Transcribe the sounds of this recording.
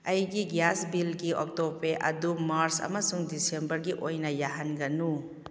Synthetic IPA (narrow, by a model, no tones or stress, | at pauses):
ɐjɡiɡjasbilɡiʔɔk̚topeʔɐ̰dumaɾsɐ̰mɐsuŋdisembɐɾɡiʔojnɐjaɦanɡɐnu